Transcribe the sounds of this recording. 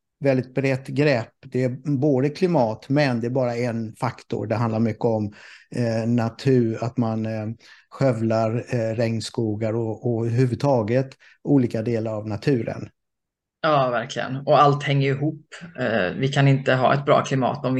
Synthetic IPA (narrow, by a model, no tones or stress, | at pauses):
vɛld̪ɪt̪̚bɾɛt̪ːɡɾɛpːd̪ɛæboːd̪əkʰlɪmɑːt̪mɛnd̪ɛæɾbɑːɾaɛnfakt̪ʊ̰ɾɖɛɦand̪laɾmʏkːəɔm | nat̪ʰʉ̟ːɾat̪manɧœvlaɾɾɛŋnskuːɡaɾɔɔɾhʉvɵd̪t̪ʰɑːɡət̪ | uːliːkad̪eːlaɾavnat̪ʰʉ̟ːɾə̰n | jɑːvæɾkʰlɪɡə̰nɔalt̪hɛŋːəɾɪɦuːpː | vɪkʰanɪnt̪əɦɑ̰ːɛ̰t̪̚bɾɑ̰ːkʰlɪmɑ̰ːt̪ɔmvɪ